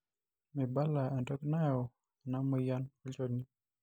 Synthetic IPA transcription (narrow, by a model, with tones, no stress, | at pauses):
mi˨ba˦la˨ɛ˨ntɔ˦kna˦jɔ˨ | a˨na˦mɔ˦ja˦nɔ˦t͡ʃɔ˨ni˦